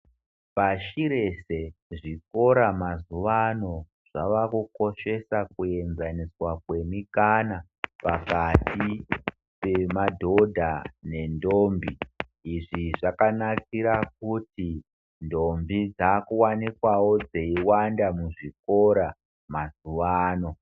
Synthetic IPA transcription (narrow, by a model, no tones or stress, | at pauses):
paʃiɾe̞se̞ʐiko̞ɾamazuʋano̞ | ʐ̥aʋakuko̞ʃe̞sakue̞nzaniswakwe̞mikana | pakati | pe̞madʱo̞dʱane̞ndoːmbiː | ʐiʐakanakiɾak̚uti | ndo̞mbid͡zaːkuwanikwawo̞d͡zeiwandamuʐiko̞ɾa | mazuʋaːno̞